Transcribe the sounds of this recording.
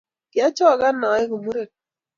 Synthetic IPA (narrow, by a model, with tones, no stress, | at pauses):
kɪ˨a˦t͡ʃɔ˦˨ɡa˦nɔ˨ɛ˦ɡo˨mu˦ɾe˨